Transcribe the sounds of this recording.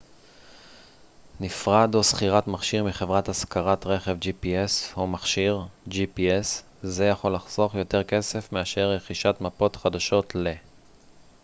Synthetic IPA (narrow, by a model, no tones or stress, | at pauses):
nifʁad̪osχiʁatmaχʃiʁmiχe̞vʁathaskaʁatʁe̞χevd͡ʒipieshomaχʃiʁd͡ʒipies | ze̞jaχo̞laχz̥o̞χjo̞te̞ʁke̞se̞fmeaʃe̞ʁːeχiʃatmapo̞tχadaʃo̞tle̞